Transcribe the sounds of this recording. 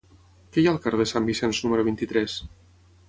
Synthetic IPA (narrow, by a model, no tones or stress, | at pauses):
kɛjalˠkaɾðəsambisɛnznuməɾuβint̪it̪ɾɛs